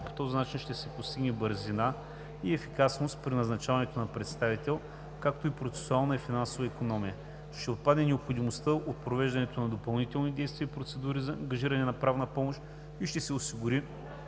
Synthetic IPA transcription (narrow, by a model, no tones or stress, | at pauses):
po̥t̪ɔzinat͡ʃinʃt̪ɛsɛpost̪iɡnɛbəɾzina | iɛfikasnost̪pɾinɐznɐt͡ʃavɐnɛt̪onɐpɾɛt̪st̪avit̪ɛlˠ | kak̚t̪oipɾot̪sɛ̥sʊalˠnɐifinansovɐikonɔmijə | ʃt̪ɛot̪̚pad̪nɛnɛopxod̪imost̪əʔot̪̚pɾovɛʒd̪ɐnɛt̪onɐd̪opɐlˠnit̪ɛlˠnid̪ɛjst̪vʲiəipɾot̪sɛd̪uɾizɐɐ̰ŋɡɐʒiɾɐnɛnɐpɾavnəpɔmoʃt̪ | iʃt̪ɛsɛosiɡuɾi